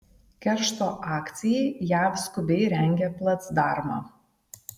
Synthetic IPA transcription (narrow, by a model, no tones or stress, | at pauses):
kʲɛɾʃt̪oːʔɑːkt̪sʲɪjɛɪjæːfskʊbʲɛɪɾʲɛŋʲɡʲɛplˠɐt̪sd̪ɑːˑɾmɑ̰ː